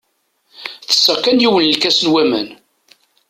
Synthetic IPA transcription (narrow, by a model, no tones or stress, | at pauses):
θə̥sːækːænjiwənlkæsənwæmæn